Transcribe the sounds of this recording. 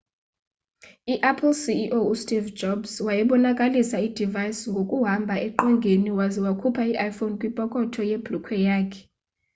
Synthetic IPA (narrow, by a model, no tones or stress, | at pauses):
iʔapʰlsiʔoustʼivd͡ʒɔbswajɛɓɔnakʼalisaid̥ʱivajsŋɡʱokʼuɦambʱaɛǃɔŋɡʱeniwaziwakʰupʰaiʔajfonkʼwipʼɔkʼɔtʰɔjeb̥lukʰwɛjaːkʰɛ̥